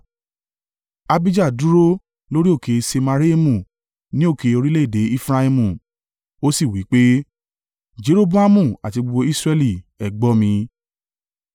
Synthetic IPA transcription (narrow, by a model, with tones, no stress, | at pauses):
a˧bi˦d͡ʒa˦˨du˨˦ɾo˦ | lo˦ɾi˦o˦˨ke˧se˧ma˧ɾi˦e˦mũ˦˨ | nĩ˨˦o˦˨ke˧o˧ɾi˦le˦˨de˨˦i˦fɾa˧i˧mũ˦˨ | o˦si˦˨wi˨˦k͡pe˦ | d͡ʒe˨˦ɾo˦bũ˦a˦mũ˦˨a˨ti˧ɡ͡bu˧o˧˦i˦sɾɛ˦˧li˦˨ɛ˨ɡ͡bɔ˦mĩ˧